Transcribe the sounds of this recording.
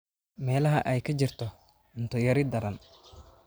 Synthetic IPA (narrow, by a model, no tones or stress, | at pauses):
mɛːlɐɦɐʔɛjkʰɐt͡ʃɪrt̪ʰɔ | ʊnt̪ʰɔjɐɾɪd̪ɐɾɐn